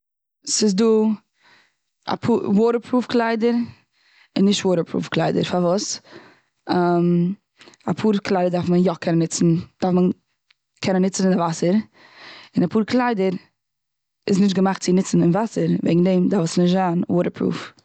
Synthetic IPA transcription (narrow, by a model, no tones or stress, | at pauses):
sɪsduː | a̰pʰuːwoːɾəpɾuːfklˠaɪdəɾ | ɪnːɪʃtwoːɾəpʰɾṵːfklˠaɪdə̰ɾfaɾvʊs | am | apʰuːɾklˠaɪdəɾdaɾfmənjɔkʰɛnənɪt͡sn̩d̥aɾfmən | kʰɛnənɪt͡sn̩ɪnɪvasəɾ | ɪnapuːɾklˠaɪdəɾ | ɪsnɪʃtɡəmaχtt͡sɪnɪt͡sn̩ɪnvasəɾvɛ̰ɡŋ̩deɪmdafəsnɪʃtzanwoːɾəɾpʰɾṵːf